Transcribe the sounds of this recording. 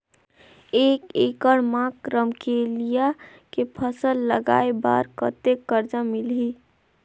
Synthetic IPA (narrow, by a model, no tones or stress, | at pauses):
eːkekəɽmãkɾəmkelija | kepʰəsəlːəɡa̰eba̰ɾkət̪ekːəɾd͡ʒamilɦi